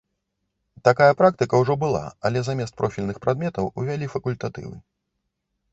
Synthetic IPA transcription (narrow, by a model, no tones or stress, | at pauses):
t̪akajɐpɾakt̪ɨkɐwʐɔbɨlˠa̰ɐlʲɛzamʲɛst̪̚pɾɔfʲilʲnɨxpɾʔad̪̚mʲɛt̪ɐwuvʲalʲifɐkulʲt̪at̪ɨ̰vɨ̰